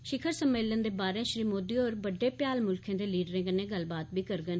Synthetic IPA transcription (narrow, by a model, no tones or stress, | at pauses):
ʃɪkʰəɾsəmːeːlənd̪eːbaːɾẽːʃɾiːmoːd̪iːoːɾbəɖːeːpjaːlmʊlkʰẽːd̪eːliːɖɾẽːkənẽːɡəlbaːt̪̚biːkəɾɡən